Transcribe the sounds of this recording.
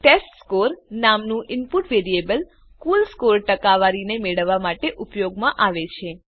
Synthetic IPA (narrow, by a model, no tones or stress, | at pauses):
ʈesʈskoɾnamnũʔɪnpuʈʋeɾiebəl | kulskoɾʈəkaʋaɾinemeɭəʋːamaʈeʔupjoɡmãʔaʋet͡ʃʰe